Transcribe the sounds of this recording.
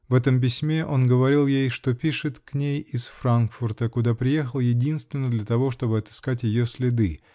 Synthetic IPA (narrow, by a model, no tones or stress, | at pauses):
vɛt̪əmp̬ʲɪsʲmʲe̞ʔo̞nɡəvɐɾʲilˠjejʂt̪o̞pʲiʂɨt̪knʲejɪsfrankfʊrt̪əkʊd̪apɾʲɪje̞xəlˠjɪdʲinst̪vʲɪnːəd̪lʲət̪ɐvo̞ʂt̪o̞bɨɐt̪ɨ̥skatʲjɪjosʲlʲɪd̪ɨ